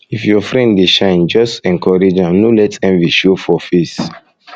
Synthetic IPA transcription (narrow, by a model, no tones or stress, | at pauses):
ifjɔfɹɛ̃nddeʃãɪ̃nd͡ʒɔstɛ̃ŋkɔɹed͡ʒãmnolɛtɛ̃nviʃofɔfes